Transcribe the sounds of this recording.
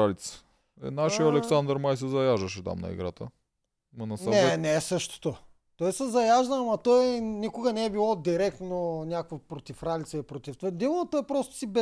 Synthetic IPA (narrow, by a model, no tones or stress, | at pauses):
alit̪sə̥ | ɛ̰naʃijəɐlɛksand̪əɾmajsɛzɐjaʒəʃɛt̪a̰mnɐ̰ḭɡɾat̪ə | mɐnɐsnɐɛɛnɛsɤʃt̪o̥t̪o | t̪ɔjsɛzɐjaʒd̪ɐmɐt̪ɔjnikʊɡɐnɛɛbilˠɔd̪iɾɛk̚t̪nonʲjakvəpɾot̪ifɾalit̪səipɾot̪ʲift̪ad̪imot̪oɛpɾɔst̪ʊ̥sibɛ